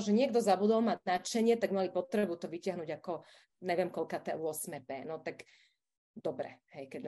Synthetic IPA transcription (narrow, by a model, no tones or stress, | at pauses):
ʒɛɲɪɛɡd̪ɔzabud̪ɔlmaɟnat͡ʃɛɲɪɛt̪aɡmalipɔt̪ɾɛbut̪ɔʋicɪaɦnuɟakɔ | ɲɛʋɪɛmkɔlkaːt̪ɛ̰ʊɔsmɛpɛːnɔt̪aɡ | d̪ɔbɾɛ̰hɛjkɛɟ